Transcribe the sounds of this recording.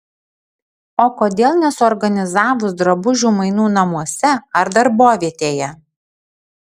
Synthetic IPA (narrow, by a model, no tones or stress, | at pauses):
oːkoːd̪ʲeːlˠnʲɛsʊɔɾɡɐnʲɪzɑːʋʊsd̪ɾɐbʊʒʲuːmɐɪnuːnɐmuɔsʲɛɐɾd̪ɐɾboːʋʲiɛt̪ʲeːjɛ